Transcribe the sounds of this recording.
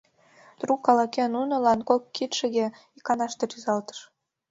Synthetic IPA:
t̪rukːɑlɑkenunŏlɑnkokːit̪ʃĕɣe | ikɑnɑʃt̪eɾyzɑlt̪ə̥ʃ

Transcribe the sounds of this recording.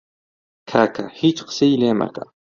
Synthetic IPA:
kʰakʰahit͡ʃqsijlema̰ka̰

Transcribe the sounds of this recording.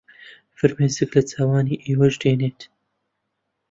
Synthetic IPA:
fɨɾmeːzɨklɐt͡sʰaːwaːniːʔeːwɐʒd̪eːneːt̪

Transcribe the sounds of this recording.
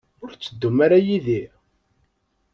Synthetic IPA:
ʊɾt͡sːəd̪ːumaɾajiði

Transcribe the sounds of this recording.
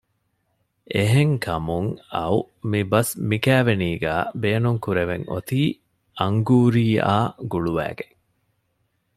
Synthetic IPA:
ʔeɦeŋkʰɐmuŋɐ̰u | mibɐsmikæːʋeniːɡæ̰ːbeːnuŋkuɾeʋeŋo̰t̪iː | ʔɐŋɡuːɾiːaːɡuɭuʋæ̰ːɡeŋ

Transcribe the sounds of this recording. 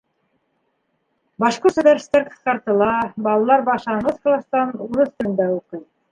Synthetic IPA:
bɑʃquɾt̪uvʲeɾʲsi̥t̪ːæɾqɤ̥̆θqɑɾt̪ɤ̆lˠɑbɑlˠɑlˠɑɾbɑʃɑɴɤsklˠɑst̪ɑnuɾɤθt̪ɵ̆nd̪æuqɤj

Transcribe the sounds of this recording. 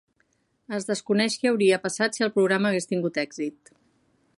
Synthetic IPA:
əzðəskunɛʃkɛəwɾiəpəsat̪siəlˠpɾuɣɾaməːɣest̪iŋɡut̪ɛɡz̥it̪̚

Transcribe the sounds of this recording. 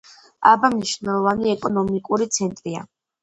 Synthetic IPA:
a̰bamniʃvnɛlˠɔvaniɛkʼɔnɔmikʼuɾit̪sʰɛnt̪ʼɾia̰

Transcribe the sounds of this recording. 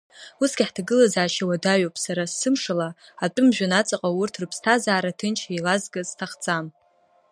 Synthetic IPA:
usɡʲiħtʰaɡɨlazaːʃawadaɥopʼsaɾasːɨmʂalaatʼʊmʒᶣʷanat͡sʼaqʼawurtʰrɨpʰstʰazaːɾatʰɨnt͡ʃʰejlazɡaztʰaχt͡sʼam

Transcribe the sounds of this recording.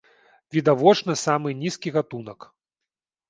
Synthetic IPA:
vʲid̪avɔt͡ʂnɐsamɨnʲiskʲiɣat̪unɐk

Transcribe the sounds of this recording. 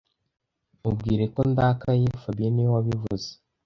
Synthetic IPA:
ubɡiːɾe̞ko̞ndakajefabijenijwaβivuze̥

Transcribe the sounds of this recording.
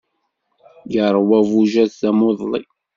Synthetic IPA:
jəɾˤwævuʒæθθæmoðˤlḭ

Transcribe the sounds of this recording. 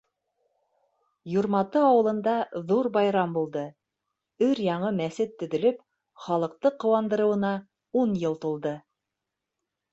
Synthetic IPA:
juɾmɑt̪ɤɑwɤ̆lˠɤ̆nd̪ɑðuɾbɑjɾɑmbulˠd̪ɤ | ɵɾjɑɴɤmæsɘt̪ːɵ̆ðɵ̆lɵp | χɑlˠɤ̆q̚t̪ɤqːŏwɑnd̪ɤ̆ɾɤ̆wɤ̆nɑ | unjɤlˠt̪ulˠd̪ɤ

